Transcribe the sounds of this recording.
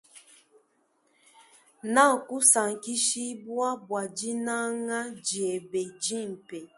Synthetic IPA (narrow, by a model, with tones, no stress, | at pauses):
na˦˨ŋ̩˨ku˦sa˨ŋ̩˨ki˦ʃi˦bwa˦bwa˨d͡ʒi˦na˦ŋa˦d͡ʒi˨e˨be˨d͡ʒi˦˨m̩˨pe˨